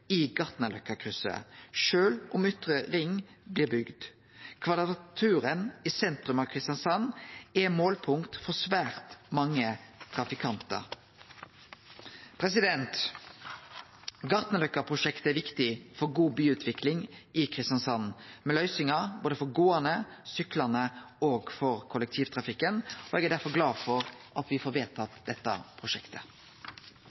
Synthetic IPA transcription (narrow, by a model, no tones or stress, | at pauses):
ɪɡɑt̪nəlœkːəkʰʁʉsə̰ʃøːlʔʊmʏt̪ʁəʁɪŋːblɪːʁbʏɡd̪ | kʰʋɑd̪əʁɑt̪ʰʉːɾənɪsɛnt̪ɾʉmɑʋkʰʁɪst̪ɑnsɑnɛmoːlpʰʊŋkt̪fɔsʋæːʁt̪mɑŋːət̪ʰʁɑfɪkʰɑnt̪ə̰ʁ | pʰɾɛsɪd̪ɛnt̪ | ɡɑʁt̪nəlʉkːəpʰʁʊʂɛkt̪əæʋɪkt̪ɪfɔɾɡuːbyːʉːt̪ʰʋɪklɪŋɪkʰɾɪst̪ɑnsɑnmɛlœʏsɪŋɑboːd̪əfɔɾɡoːənə | sʏklɑnə | oːɡfɔɾkʰʊləɛk̚t̪ʰiːʋt̪ʰʁɑfɪkːənɔɛɡæd̪æɾfɔɡlɑːfɔɾʔɑt̪ʋɪfoːɾʋeːt̪ʰɑt̪d̪ɛt̪ːɑ̰pʰɾʊʃɛkt̪ʰə